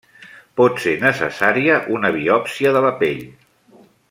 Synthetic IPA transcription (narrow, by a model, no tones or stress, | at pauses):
pɔt̪senəsə̰saɾiəʔunəβ̞iɔpsiəðələpeʎ